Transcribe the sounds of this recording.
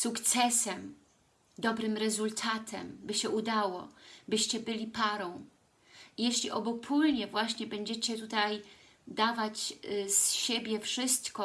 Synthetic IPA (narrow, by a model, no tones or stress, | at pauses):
sukt̪sɛsɛm | d̪ɔbɾɘmɾɛzult̪ʰat̪ʰɛ̰mbɘɕɛʔud̪awɔ̰bɘɕt͡ɕɛbɘlʲipaɾɔ̃w̃ | ijɛɕlʲiʔɔbɔpʰulɲɛvwaɕɲɛbɛɲd͡ʑɛt͡ɕɛt̪ut̪aj | d̪avad͡ʑsɕebʲjɛfʂɘst̪kɔ